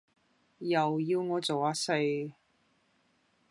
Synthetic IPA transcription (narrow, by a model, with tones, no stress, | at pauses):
jɐ˨˩wjiː˧wŋɔː˨˧t͡so˨˩waː˨˧se˧